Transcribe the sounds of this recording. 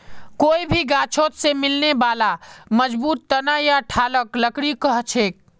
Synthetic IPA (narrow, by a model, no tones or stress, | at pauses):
koːibʱiɡaːt͡ʃʰoːt̪semɪlnebaːlaməd͡ʒbuːt̪ːənajaʈʰaːləkləkɽikəɦt͡ʃʰeːk̚